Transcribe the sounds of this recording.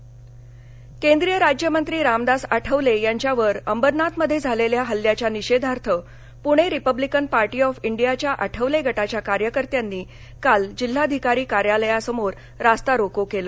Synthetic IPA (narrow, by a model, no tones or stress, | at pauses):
kẽnd̪ɾijəɾad͡ʑjəmənt̪ɾiːɾamd̪asaʈʰəʋlejaɲt͡ɕjaʋəɾəmbəɾnat̪məd̪ʱːjed͡zʱaleljaɦəlːjat͡ɕjaniɕed̪ʱaɾt̪ʰə | puɽ̃eɾipəblikənpaɾʈiːɔfiɳɖijat͡ɕjaʔaʈʰəʋleɡʱəʈat͡ɕjakaɾjəkəɾt̪janːiː | kald͡ʑil̤ːad̪ʱikaɾiːkaɾjaləjasəmoɾ | ɾast̪aɾokokelə